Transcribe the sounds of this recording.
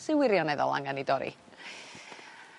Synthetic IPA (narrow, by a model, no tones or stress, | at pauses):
sɪwɪɾjɔnɛðɔ̰lˠa̰ŋanidɔɾḭ